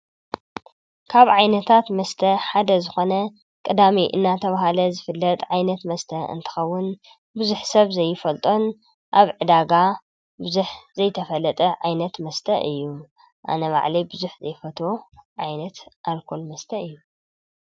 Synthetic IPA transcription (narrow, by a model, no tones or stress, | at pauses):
kʰaβʕajnɐt̪ʰat̪mɐst̪ʰɐħad̪ɐzɨxo̞nɐ | kʼɨd̪amiʔɨ̰nːat̪ʰɐβaɦalɐzɨfɨlːɐt̪ʼʕajnɐt̪mɐst̪ʰɐɨ̰nt̪ʰɨ̥xɐwːʊn | bɨzuħsɐβzɐjːɪfɐlt̪ʼo̞n | ʔaβʕɨd̪aɡa | bɨzuħzɐjt̪ʰɐfɐlɐt̪ʼɐʕajnɐt̪mɐst̪ʰɐʔɨjːu | ʔa̰nɐβa̰ʕlibɨzuħzɐjfɐt̪ʰoʕajnɐt̪ʔalkʰo̞lmɐst̪ʰɐɨjːu